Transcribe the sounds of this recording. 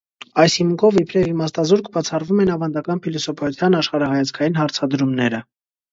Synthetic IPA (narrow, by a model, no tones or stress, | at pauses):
ɑjshimkʰɔvipʰɾɛvimɑst̪ɑzuɾkʰbɑt͡sʰɑrvumɛnɑvɑnd̪ɑkɑnpʰilɔsɔpʰɑut͡s̪ʰjɑnɑʃχɑɾɑɦɑjɑt͡skʰɑjin̪hɑɾt͡sʰɑd̪ɾumnɛɾə